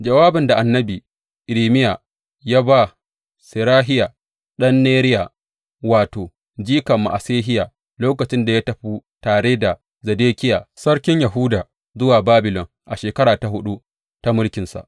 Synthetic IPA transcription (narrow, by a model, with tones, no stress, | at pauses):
d͡ʒɐ˨waː˦bɪ˨nda˨ʔa˨nːɐ˦biː˨ | ʔɪ˨ɾiː˨mɪ˦ja˨ | jaː˦ba˦ | sɪ˨ɾaː˦ɦɪ˦ja˨ | ɗɐ˦nːeː˦ɾɪ˦ja˨ | waː˨toː˨ | d͡ʒiː˦kɐ˨mːa̰˨ʔa˨seː˦ɦɪ˦ja˨ | loː˦kɐ˨t͡ʃɪ˦nda˨ja˦tɐ˨ɸuː˦taː˨ɽe˦da˨ | zɐ˨deː˦kʲɪ˦jaː˨sɐ˦ɽkʲɪ˦ɲjɐ˨ɦu˦daː˨ | zʊ˦waː˨baː˦bɪ˨lɔ˨ŋ | ʔa˨ʃeː˨kɐ˦ɽaː˨ta˨ɦʊ˦ɗu˦ | ta˦mʊ˦lkʲɪ˨nsa̰˨ʔ